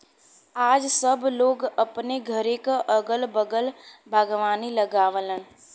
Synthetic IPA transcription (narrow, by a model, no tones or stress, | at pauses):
aːd͡ʒsəbloːɡəpneɡʱəɾekaʔəɡəlbəɡəlbʱaːɡʋaːniləɡaːʋlən